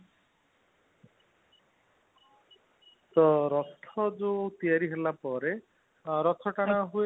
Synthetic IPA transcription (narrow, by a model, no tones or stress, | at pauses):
t̪ɔɾɔst̪ʰɔd͡ʒot̪ijaɾiɦelapɔɾe | ɾɔt̪ʰɔʈaɽ̃aɦue